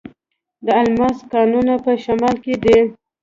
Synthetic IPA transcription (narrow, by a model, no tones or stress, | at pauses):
d̪əalmɑskɑnunapəʃamɑlked̪i